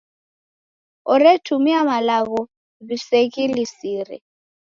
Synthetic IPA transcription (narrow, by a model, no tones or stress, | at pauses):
ɔɾɛtʰumiamalaɣɔ | βiseɣilisiɾɛ̰